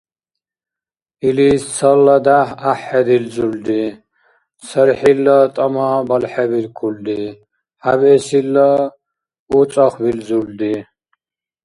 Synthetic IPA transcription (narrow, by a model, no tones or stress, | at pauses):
ilist͡sʰɐlːad̪aɦaħːɛd̪ilzuld̪i | səɾħilːɔt̪ʼɔmabɐlħɛbilkʰuld̪i | habɛsilːɔ | ut͡sʼɔχbilzuld̪i